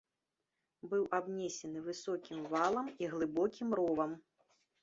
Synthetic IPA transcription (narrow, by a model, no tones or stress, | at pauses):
bɨwʔabnʲɛsʲɛnɨvɨsɔkʲimvalˠɐmiɣlˠɨbɔkʲimɾɔvɐm